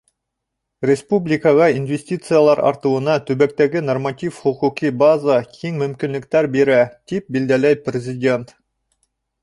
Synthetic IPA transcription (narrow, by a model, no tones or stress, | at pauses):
rʲɪspublʲɪkəʁɑinvʲesʲtʲit̪sɨjalˠɑɾɑ̰ɾt̪ɤ̆wɤ̆nɑt̪ɵβæk̚t̪æɡɘnormat̪ʲifχŭquqibazakʰiŋmɵ̆mkʲinlɘ̆k̚t̪æɾbeɾæt̪ip̚bild̪ælæjprʲɪzʲɪdʲe̞nt̪